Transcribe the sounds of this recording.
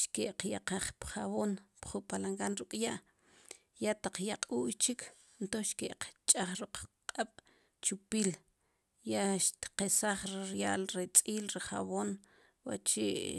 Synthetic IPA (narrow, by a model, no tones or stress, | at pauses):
ʃkeʔqjaqaχpχaβoːnpχupalaŋɡanɾukʼjaʔ | jat̪aq͡χjaqʼuːʔjt͡ʃikʰ | nt̪oχʃkeʔqt͡ʃʼaχɾuq͡χqʼaɓ̥ | t͡ʃupiːl | jaʔʃt̪qesaχɾiɾjaːlɾet͡sʼiːlɾiχa̰βoːn | wa̰t͡ʃiʔ